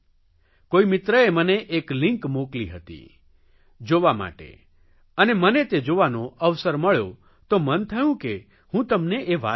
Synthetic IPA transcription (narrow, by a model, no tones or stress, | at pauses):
koimɪt̪ɾəeməneʔeklɪ̃ŋkmoklḭɦət̪ḭ | d͡ʒoʋama̰ʈḛ | ənemənet̪ed͡ʒoʋanoəʋsəɾməɭjo̰ | t̪omənt̪ʰəjũke | hũt̪əmneʔeʋa̰